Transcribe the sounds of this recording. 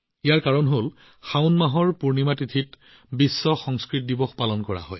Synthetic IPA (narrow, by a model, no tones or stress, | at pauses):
ijaɹkaɹɔnɦol | xaʊnmaɦɔɹpuɹnimatitʰit | bisːɔxɔŋskɹit̚dibɔxpalɔnkɔɹa̰ɦɔ̰j